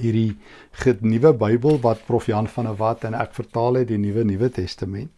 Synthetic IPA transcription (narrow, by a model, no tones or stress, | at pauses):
ɦirdi | χənivəbəjbəlˠvɐt̚profiɐnfɐnəvɐtɛnæ̰kfərtɑːlˠɛt̚dinivənivətɛstəmɛnt